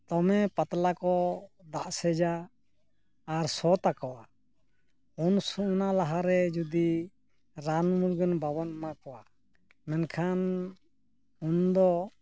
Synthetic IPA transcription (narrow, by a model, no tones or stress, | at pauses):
t̪ɔmɛpat̪lakɔd̪aʔsɛd͡ʒa | ɾsɔt̪akɔwa | unsuʔnalaɦaɾɛd͡ʒud̪i | ɾanmuɾɡənbabanmakɔwa | mɛnkʰan | und̪ɔ